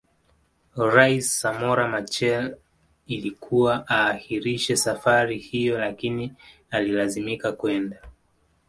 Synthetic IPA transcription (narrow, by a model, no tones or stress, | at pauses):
ɾaisːamɔɾamat͡ʃɛl | ilikʰuwaʔaːhiɾiʃɛsafaɾihijɔlakini | alilazimikakwɛnda